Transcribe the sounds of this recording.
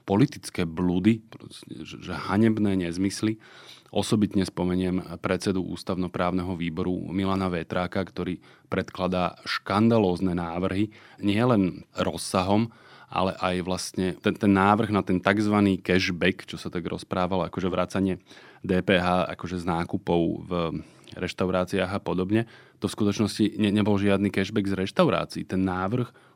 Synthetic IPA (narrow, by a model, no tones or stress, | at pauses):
pɔlit̪it͡skɛːblud̪ipɾɔsɛɛʒɛhaɲɛbnɛːɲɛzmisliʔɔsɔbit̪ɲɛspɔmɛɲɪɛmpɾɛt͡sɛd̪uʔṵːst̪aʊnɔpɾaːʊnɛɦɔʋiːbɔɾṵmilanaʋɛt̪ɾaːkakt̪ɔɾiː | pɾɛt̪klad̪aːʃkand̪alɔːznɛnaːʋr̩ɦiɲɪɛlɛnɾɔsːaɦɔm | ʔa̰lɛʔajʋlast̪ɲɛt̪ɛnt̪ɛnːaːʋr̩ɣnat̪ɛnt̪aɡzʋaniːkɛʒbɛkt͡ʃɔsat̪aɡɾɔ̰spɾaːʋalakɔʒɛʋɾat͡saɲɪɛd̪ɛːpɛːɦaːʔa̰kɔʒɛznaːkupɔʊv | ɾɛʃt̪aʊɾaːt͡siaɣapɔd̪ɔbɲɛt̪ɔfskut̪ɔt͡ʃnɔsciɲɛɲɛbɔlʒɪad̪niːkɛʒbɛɡzɾɛʃt̪aʊɾa̰ːt͡siiːt̪ɛnːaːʋr̩x